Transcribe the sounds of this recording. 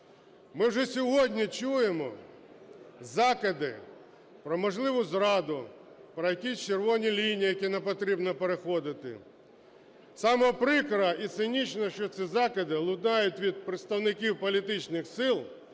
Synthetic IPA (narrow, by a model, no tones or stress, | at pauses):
mɪwʒɛsʲɔɦɔdʲnʲit͡ʃujemɔ | zɑkɪd̪ɪ̰ | pɾɔmɔʒlˠɪʋʊzɾɑd̪ʊ | pɾɔjɐkʲisʲt͡ʃerʋɔnʲilʲinʲijɐkʲinepɔt̪ɾʲibnɔpeɾexɔd̪ɪt̪ɪ̰ | sɑmɔɔpɾɪkɾɐʔit̪sɪnʲit͡ʃnɔʃt͡ʃɔt̪sʲizɑkɪd̪ɪlˠʊd̪nɑjʊtʲʋʲid̪̚pɾɪt̪st̪ɐwnɪkʲiwpɔlʲit̪ɪt͡ʃnɪxsɪlˠ